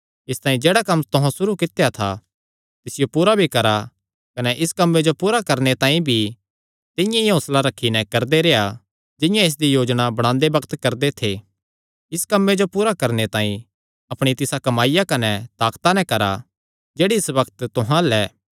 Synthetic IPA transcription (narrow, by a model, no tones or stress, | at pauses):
ɪst̪ãːĩd͡ʒeːɽakɐmːt̪ʊɦãsʊɾukɪt̪ejat̪ʰa̰ | t̪ɪsɪjopuːɾabʱikɐɾa | kɐnɛʔɪskɐmːed͡ʒopuːɾakɐɾnet̪ãːĩbʱi | t̪ɪ̃jãiɦõːslaɾɐkʰːinɛ̃kɐɾd̪eɾeːa | d͡ʒɪ̃jãɪs̬d̪ijoːd͡ʒɽ̃abɐɽ̃ãːnd̪ebɐkt̪kɐɾd̪et̪ʰe | ɪskɐmːed͡ʒopuːɾakɐɾnet̪ãːĩ | ɐpɽ̃it̪ɪsakɐmaːɪjakɐnɛt̪aːkt̪anɛkɐɾa̰ | d͡ʒeːɽiɪsbɐkt̪t̪ʊɦãlɛː